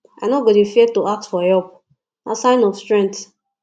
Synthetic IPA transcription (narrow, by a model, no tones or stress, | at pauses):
a̰ɪnoɡɔdefɛtoak̚tfɔjɔp | nasãɪ̃nɔfstɹɛ̃ŋt